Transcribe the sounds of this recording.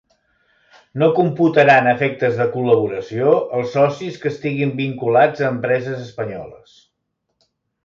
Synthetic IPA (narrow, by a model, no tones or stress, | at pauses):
nokumput̪əɾanəfɛk̚t̪əzðəkuləβ̞uɾəsioəlˠsːɔsiskəːst̪iɣimbiŋkulad͡zəːmpɾɛzəzəspəɲɔ̰lə̰s